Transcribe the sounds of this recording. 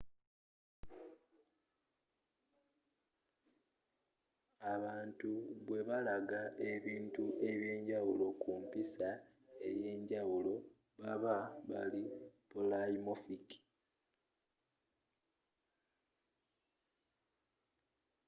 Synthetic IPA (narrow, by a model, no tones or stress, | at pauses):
aβaːntuβwe̞βalaɡaʔe̞βiːntuʔe̞βje̞ːɲɟawulo̞kumpisa | e̞je̞ːɲɟawulo̞ | βaβaβa̰lipolaimofiki̥